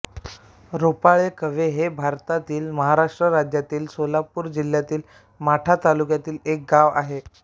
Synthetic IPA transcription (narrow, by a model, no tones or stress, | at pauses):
ɾopaɭekəʋeɦebʱaɾt̪at̪iːlməɦaɾaʂʈɾəɾad͡ʑjat̪iːlsolapuːɾd͡ʑil̤jat̪iːl | maʈʰat̪alukjat̪iːlek̚ɡaʋa̰ɦe